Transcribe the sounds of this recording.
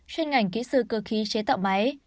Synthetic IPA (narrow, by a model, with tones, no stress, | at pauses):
t͡ɕe˧nŋa˨˩jŋ̟kḭ˧˥sɨ̰˧˩kə˧˩xi˨˦t͡ɕe˨˦t̪a̰˧˨wma˨˦j